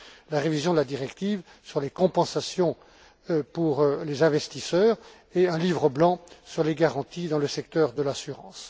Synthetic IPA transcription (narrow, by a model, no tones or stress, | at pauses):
laʁevizjɔ̃d̪əlad̪iʁɛkt̪iv | syʁlekɔ̃pɑ̃sasjɔ̃ | puʁlezɛ̃vɛst̪isœːʁ | eɛ̃livʁəblɑ̃syʁleɡaʁɑ̃t̪ʰid̪ɑ̃ləsɛkt̪œʁd̪əlasyʁɑ̰̃ːs